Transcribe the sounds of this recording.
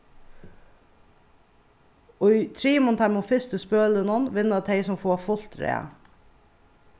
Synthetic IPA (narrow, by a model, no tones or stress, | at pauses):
ɔʏt̪ʰɾiːmɔnt̪ʰæmɔfɪst̪əspøːlənɔnʋɪnɑt̪ʰeɪsɔmfoːfʊl̥t̪ɾḛː